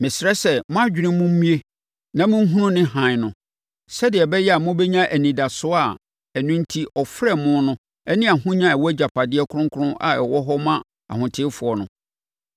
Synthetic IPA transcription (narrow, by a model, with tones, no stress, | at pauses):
mɪ̃˨sɾɛ˦sɛ˨mʊ̃˦a˦d͡ʑᶣɪ˨ɾɪ̃˦mʊ̃˦m̩˦mĩ˦e˦ | nã˦mʊ̃˦ŋ˦ɦũ˦nʊ̃˦nɪ̃˦ɦã˨ɲ˨nʊ̃˨ | sɛ˦dɪ˨ɛ˨bɛ˦jɛ˦a˨mʊ̃˦bɛ˦ɲã˦ʔæ˨nĩ˨da˨sʊ˦a˨ | ɛ˨nʊ̃˦n̩˦tʰi˦ʔɔ˨fɾɛ˦˨mʊ̃˦nʊ̃˦ | ɛ˦nĩ˦a˨hʊ̃˦ɲã˦ɛ˨wɔ˦æ˦d͡ʑa˨pʰa˨dɪ˦ɛ˦kʰʊ˦ʊ̃˦ŋ˦kʰʊ˦ʊ̃˦ʔa̰˨ɛ˨wɔ˦ɦɔ˦mã˦ | a̰˨hʊ̃˨tʰɪ˦fʊ˨ɔ˨nʊ̰̃˨